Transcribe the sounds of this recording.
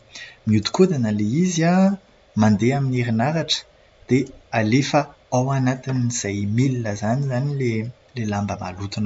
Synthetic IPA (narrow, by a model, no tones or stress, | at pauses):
miut̪u̥kud̪anəleizia | mand̪eamineɾinaɾaʈ͡ʂə̥ | d̪̥ealefə | awanat̪iniz̥ajmilinəzanizanile | lelambəma̰lut̪un